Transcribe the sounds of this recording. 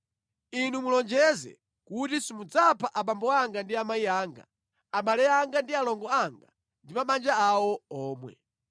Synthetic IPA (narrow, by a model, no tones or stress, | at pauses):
inumulɔnd͡ʒɛzɛ̰ | kutisimud͡zapʰaʔaɓambɔaŋɡandiamaiaːŋɡa̰ | amalɛaŋɡandialɔŋɡɔaŋɡa̰ | ndimaɓand͡ʒaawɔɔːmwɛ̰